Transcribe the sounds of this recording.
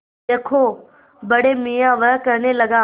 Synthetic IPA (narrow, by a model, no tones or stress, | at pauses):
eːkʰo | bɐɽemijãʋɐɦkɐɾnelɐɡãː